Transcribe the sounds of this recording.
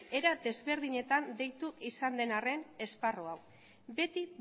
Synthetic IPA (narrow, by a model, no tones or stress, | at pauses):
e̞ɾad̪e̞zβe̞ɾð̞iɲe̞t̪and̪e̞jt̪uisand̪e̞nare̞ne̞sparoaw | be̞t̪i